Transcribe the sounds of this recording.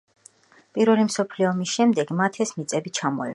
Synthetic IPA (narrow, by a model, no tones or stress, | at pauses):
pʼiɾvɛlimsɔpʰliɔmisʃɛmd̪ɛɡmat̪ʰɛsmit̪sʼɛbit͡ʃʰamɔɛ